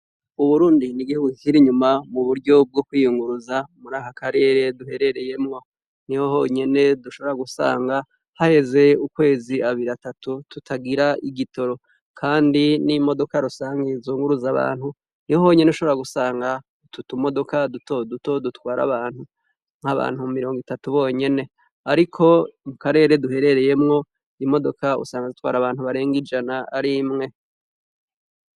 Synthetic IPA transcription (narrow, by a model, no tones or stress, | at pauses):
uβuɾuːndiniɡihuɡukikiɾiɲumamuβuɾɟo̞b̚ɡo̞kwiːjuŋɡuɾuzamuɾaːhakaɾe̞ːɾe̞duhe̞ɾe̞ɾe̞je̞mŋo̞ | niho̞ɦoɲe̞ne̞duʃo̞βoɾaɡusa̰ːŋɡa | hahe̞ze̞ukwe̞ːziaβiɾiatatututaɡiɾaʔiɡito̞ɾo̞ | kʰaːndinimo̞do̞kaɾusaːŋɡezuːŋɡuɾuzaβa̰ːn̥hu | nio̞ːɲe̞neuʃoβoɾaɡusaːŋɡa | ututumo̞do̞kadutoduto̞dutwaːɾa̰βaːn̥hu | ŋ̥haβa̰ːn̥hummiɾo̞ːŋɡitatuβo̞ːɲe̞ne̞ | aɾikʰo̞mukaɾe̞ːɾe̞duɦe̞ɾe̞ɾe̞je̞mŋo̞ | imo̞do̞kaṵsaːŋɡazit̚wa̰ːɾaβaːn̥huβaɾe̞ːŋɡid͡ʒanaaɾimŋe̞